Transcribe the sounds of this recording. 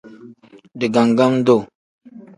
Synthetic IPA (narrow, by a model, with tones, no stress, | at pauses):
di˨ɡa˨ŋɡa˦m˦do˦˨